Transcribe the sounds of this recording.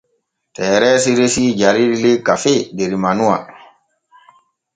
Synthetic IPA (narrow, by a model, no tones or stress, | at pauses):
tɛːɾɛːsiɾesid͡ʒaɾiɾilekafedeɾimanua̰